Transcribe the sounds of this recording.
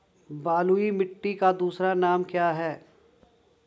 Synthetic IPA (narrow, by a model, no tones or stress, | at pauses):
baːluimɪʈːikad̪uːsɾanaːmkjaːɦɛː